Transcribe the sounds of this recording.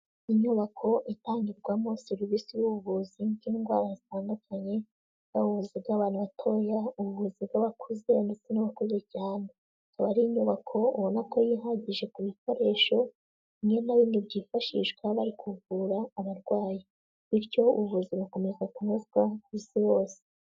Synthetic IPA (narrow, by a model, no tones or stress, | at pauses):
iɲuβakʰo̞ʔitaːɲɡiɾɡwamoseɾivisijuβuβuzinɡiːŋɡwa̰ːɾazitaːndukʰaɲe̞̥ | aβuβuzib̚ɡaβaːnuβatʰo̞jauβuvuzibɡaβakʰuze̞ndet͡senaβakuzecaːne | kaβaɾiɲuβakʰo̞uβonako̞jiɦaɟiʒe̞kuβiko̞ɾe̞ːʃo̞ | ɲienaβiːndibɟiːfaʃḭʃɡ̥waβaɾikuvuɾaːβaɾɡwaːje | βiɾɟo̞uβuvuziβuko̞me̞zakunuzɡwaβisijo̞ːse̥